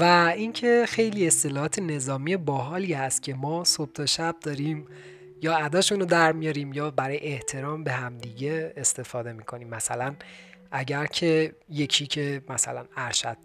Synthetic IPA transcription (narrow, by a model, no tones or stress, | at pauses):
væincʰe̞xe̞jliːe̞st̪e̞lɒːhɒːt̪ʰe̞ne̞zɒːmijebɒːɦɒːliːhæst̪̚cʲʰe̞mɒːsob̥̚t̪ʰɒʃæb̚d̪ɒːɾiːm | jɒːæd̪ɒːʃunod̪æɾmijɒɾiːmjɒːbæɾɒːjeeht̪ʰe̞ɾɒːmbe̞ɦæmd̪iːɟe̞ːst̪e̞fɒːd̪e̞miːkʰo̞niːmːæsælænʔæɟæɾcʰe̞je̞cʰiːcʰe̞mæsæ̰lænæɾʃæd̪̥̚